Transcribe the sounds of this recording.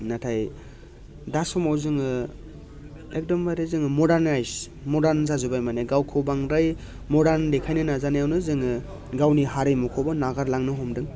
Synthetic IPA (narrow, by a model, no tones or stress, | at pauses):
natʰaj | dasɔmawzɯŋɯ | ek̚dɔmbajɾɯzɯŋɯmɔdaɾnajs | mɔdaɾnzazubajmaneɡawkʰɯwbaŋɾaj | mɔdaɾndekʰajnɯnazanajawnɯzɯŋɯ | ɡawniɦaɾɯjmɔkʰɔbɔnaɡaɾlaŋnɯɦɔmdɯŋ